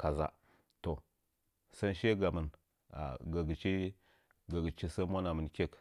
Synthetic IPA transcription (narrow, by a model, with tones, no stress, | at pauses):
ka˨za̰˨ | to˨ | sa˦nʃe˦ɡa˨mə˨n | a̰˨ɡa˨ɡi˨t͡ʃi˦ | ɡa˨ɡi˨t͡ʃi˦sa˦mʷa˦na˨mə˨nkʲe˦k